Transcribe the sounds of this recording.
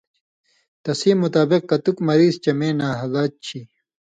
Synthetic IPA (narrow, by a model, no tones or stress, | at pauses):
t̪ɐsiːmːut̪aːbiq̚kɐt̪ukmɐɾiːzt͡ɕɐmeːnaːɦɐlaːt̪̚t͡ɕʰi